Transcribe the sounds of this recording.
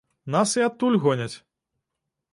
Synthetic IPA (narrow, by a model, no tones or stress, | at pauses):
nasiat̪ːulʲɣɔnʲɐt͡sʲ